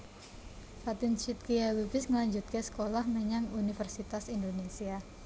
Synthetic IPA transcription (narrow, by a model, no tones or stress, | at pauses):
fat̪ɪnt͡ʃit̪̚kiawubɪsŋəlaɲd͡ʒut̪̚kasə̥kolahmeɲaŋunifərsit̪asindonesia